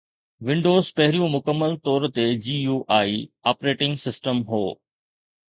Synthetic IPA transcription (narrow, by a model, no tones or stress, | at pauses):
ʋɪ̃ɳɖoːzpɐɦɪɾijũmʊkəmːəlt̪ɔːɾt̪ed͡ʑiːjuːʔaːiaːpɾeːʈɪ̃ŋɡsɪsʈəmɦoː